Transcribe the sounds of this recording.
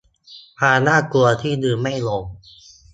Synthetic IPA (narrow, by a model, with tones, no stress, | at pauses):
pʰaː˧naː˥˩ku˧ɐt̪ʰiː˥˩nɯː˧˩ma˥˩jlo˧˦ŋ